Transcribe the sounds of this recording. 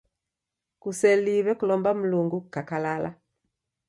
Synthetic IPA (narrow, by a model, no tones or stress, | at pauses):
kusɛliβɛkulɔmbam̩luŋɡukakalala̰